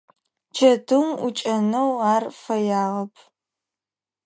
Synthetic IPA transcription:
t͡ʃʰɐdʰɨmʊt͡ʃʼɐnɐwaːrfɐjaːʁɐpʰ

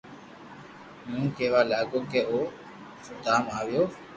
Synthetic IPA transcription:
mũːkeːʋaːlaːɡoːkeːoː | sʊt̪aːmaːʋɪjoː

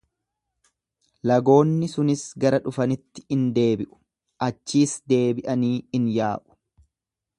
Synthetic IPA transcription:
lɐɡo̞ːnːɪsʊnɪsɡɐɾɐᶑʊfɐnɪt̪ːɪ̥ɪnd̪e̞ːbɪʔʊ̥ | ʔɐt͡ʃːiːsd̪e̞ːbɪʔɐniːɪnjaːʔʊ̥

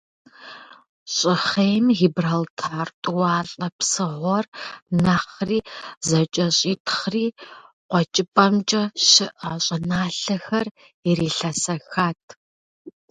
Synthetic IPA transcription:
ɕʼɪχejmɦibraltʰaːrtʷʼʊwɑːɬʼɐpsɨʁʷɔrnaχriːzɐt͡ʃʼɐɕʼiːtʰχriː | qʷɔt͡ʃʼɪpʼɐmt͡ʃʼɐɕɪʔɐɕʼɐnaːɬɐxɐr | iriːɬɐsɐxaːtʰ

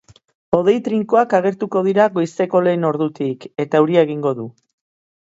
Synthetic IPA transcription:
o̞ðe̞jt̪ɾiŋkoakaɣ̞e̞ɾt̪uko̞ð̞iɾaɣo̞jst̪e̞ko̞le̞ːno̞ɾðut̪ike̞t̪auɾiaeɣ̞iŋɡo̞ðu

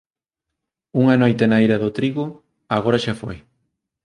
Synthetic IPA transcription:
uŋanojt̪enaiɾɐðʊt̪ɾiɣʊ | aɣ̞oɾɐʃafo̰j

